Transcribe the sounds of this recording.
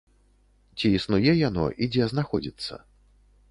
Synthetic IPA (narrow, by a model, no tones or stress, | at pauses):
t͡sʲiːsnujɛjanɔ̰ʔid͡zʲɛznaxɔd͡zʲit̪sːɐ̰